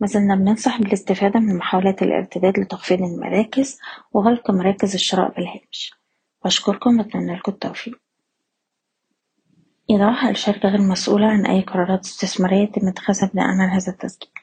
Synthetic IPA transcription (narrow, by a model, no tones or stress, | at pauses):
mæzælnæbnensˤɑħbelest̪efæːd̪æmenmoħawælæːt̪elʔḛɾt̪ebæːd̪let̪ɑxfiːd̪elmæ̰ɾæːkezweɣælqmɑɾˤɑːkezeʃːɑɾˤɑ̰ːʔbelhæːmʃ | wʔæʃkoɾkombet̪nænːælkʊt̪ːæwfiːʔ | ʔed̪ˤɑːħɑelʃɑɾˤɡæɣælmæsʔṵːlæʕanʔæ̰jːqɑɾˤɑːɾˤɑːt̪e̥st̪esmɑɾejːæt̪emːæt̪æ̥xæzæbed̪æ̰ʔæ̰manɦæːzæt̪ːæsɡi̥ː